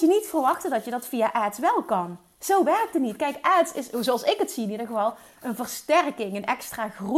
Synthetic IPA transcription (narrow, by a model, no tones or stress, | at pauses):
jənitfərʋɑxtədɑtjədɑtfiaʔɛːtsʋɛlˠkɑn | z̥owʋɛrk̚tənitkɛjkʔɛtsɪszowɑlˠsɪkətsiɪnidəɣəvɑlˠ | ənvərstɛrkɪŋənɛkstraːxru